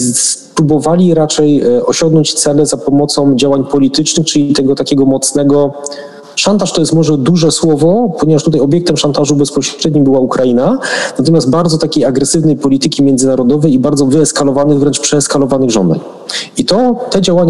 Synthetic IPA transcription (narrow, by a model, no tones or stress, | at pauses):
spɾubɔvalʲiɾat͡ʂɛjɔɕɔŋɡnɔɲt͡ɕt̪sɛlɛzapɔmɔt̪sɔ̃w̃d͡ʑawaɲpɔlʲit̪ɘt͡ʂnɘxt͡ʂɘlʲit̪ɛɡɔt̪akʲɛɡɔmɔt̪snɛɡɔ | ʂant̪aʂt̪ɔjɛst̪mɔʐɛd̪uʐɛswɔvɔpɔɲɛvaʂt̪ut̪ajɔbʲjɛkt̪ɛmʂant̪aʐubɛspɔɕɾɛd̪ɲimbɘwaukɾajinanat̪ɔmʲjast̪̚baɾd̪zɔt̪akʲejaɡɾɛsɘvnɛjpɔlʲit̪ɘkʲimʲjɛnd̪zɘnaɾɔd̪ɔvɛjibaɾd̪zɔvɘɛskalɔvanɘɣvɾɛnt͡ʂpʂɛɛskalɔvanɘɣʐɔ̰nd̪a̰ɲ | it̪ɔt̪ɛd͡ʑawaɲa